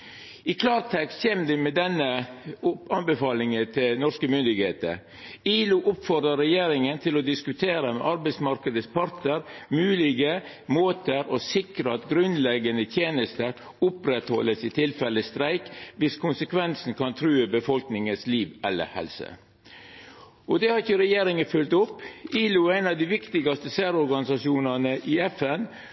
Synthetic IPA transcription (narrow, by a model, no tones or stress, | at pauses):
ɪkʰlɑːɾt̪ʰɛkst̪çeːmd̪ɛmɛd̪ɛnə | ɑnbəfɑːlɪŋət̪ʰɪlnɔʂkəmʏnd̪ɪɡheːt̪ə̰ɾ | iːluʔʊpfɔɾd̪əɾɛjeːɾɪŋənt̪ʰɪlɔd̪ɪskʉt̪ʰeːɾəmɛ̰ʔɑɾbæɪsmɑɾkəd̪əspʰɑɾt̪əɾmʉːlɪɡə | moːt̪əɾosɪkɾəɑt̪ɡɾʉnlɛɡənət̪ʰjeːnəst̪əɾ | ʊpɾɛt̪hɔlːəsɪt̪ʰɪlfɛlːəst̪ɾæɪkʋɪskʰʊnsəkʰʋɛnsn̩kʰɑnt̪ʰɾʉːəbəfɔlknɪŋənsliːʋɛlːə̰ɾhɛ̰lsə̰ | ɔd̪ɛhɑɾɪçəɾɛjeːɾɪŋənfʉlt̪ʊpːiːlʊæɪnɑʋd̪ɪʋɪkt̪ɪɡɑst̪əsæːɾɔɾɡɑnɪsɑʂuːnɑnəʔɪɛfɛn